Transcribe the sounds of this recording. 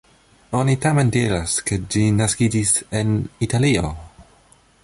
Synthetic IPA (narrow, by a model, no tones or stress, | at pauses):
onitamentiɾasked͡ʒinaskid͡ʒisenitalio